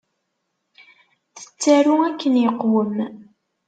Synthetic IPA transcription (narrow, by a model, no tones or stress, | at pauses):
θə̥t͡sːæɾuækːənjəqːwəm